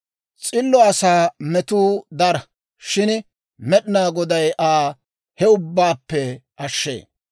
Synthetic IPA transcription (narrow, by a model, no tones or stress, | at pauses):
t͡sʼɪlːɔɐsaːmɛt̪uːd̪ɐɾɐ | ʃɪn | mɛɗɪnaːɡɔd̪ɐjʔaː | hɛʊbːaːpːɛʔɐʃːḛː